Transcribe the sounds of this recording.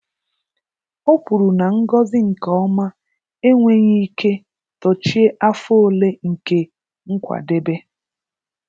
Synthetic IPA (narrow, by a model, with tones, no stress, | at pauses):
o˦pu˨ɾu˨na˨ŋ̩˦ɡɔ˦zɪ˦ŋ̩˨kɔ˦ma˦ | e˦ŋʷe˦ɲi˦kʰe˦ | tɔ˨t͡ʃi˦e˦ʔa˦fo˦le˦ŋ̩˨ke˦ | ŋ̩˦kʷa̰˨de˦be˦